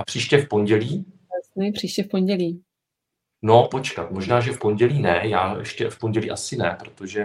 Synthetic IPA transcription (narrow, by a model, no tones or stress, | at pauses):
ʔapr̝̥iːʃcɛfpo̞ɲɟɛliː | ɛsnɛpr̥iːʃcɛfpoɲɟɛliː | no̞po̞t͡ʃkat̪mo̞ʒnaːʒɛfpo̞ɲɟɛliːnɛjaːjɛʃcɛfpo̞ɲɟɛlḭːʔasɪnɛpɾo̞t̪o̞ʒɛ